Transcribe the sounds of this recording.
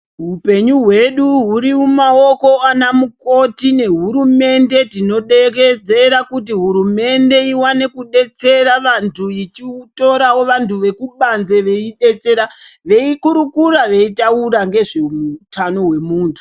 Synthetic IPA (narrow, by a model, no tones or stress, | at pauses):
ɦupe̞ɲuɦwe̞ɗuɦuɾimumao̞ko̞anamuko̞tine̞ɦuɾume̞nde̞tino̞ɗeked͡ze̞ɾakut̬iɦuɾume̞nde̞iwane̞kuɗe̞t͡se̞ɾaʋantʰuit͡ʃito̞ɾawo̞ʋantʰuʋe̞kuɓanze̞ʋe̞iɗe̞t͡se̞ɾaʋe̞ikuɾukuraʋe̞itauraŋɡe̞ʐemutʰano̞ɦwe̞muːntʰu̥